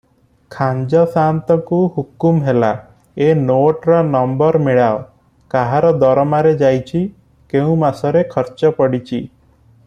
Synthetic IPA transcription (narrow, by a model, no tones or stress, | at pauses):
kʰand͡ʒɔsant̪ɔkuhukumɦela | enoʈɾɔnɔmbɔɾmeɭao | kaɦaɾɔd̪ɔɾɔmaɾed͡ʒajt͡ʃʰi | keũmasɔɾekʰɔɾt͡ʃɔpɔɽit͡ʃʰi